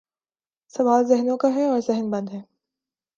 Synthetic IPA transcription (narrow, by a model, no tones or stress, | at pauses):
sɐʋaːlzɪɦnõkaɦɛɔːɾzɛɦɪnbɐ̃nd̪ɦɛː